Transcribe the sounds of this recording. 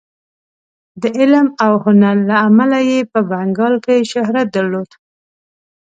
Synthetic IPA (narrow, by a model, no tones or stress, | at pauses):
d̪əʔɪlmawhʊnaɾːaːmalajepəbaŋɡɑlkeʃʊhɾat̪̚d̪aɾlod̪̥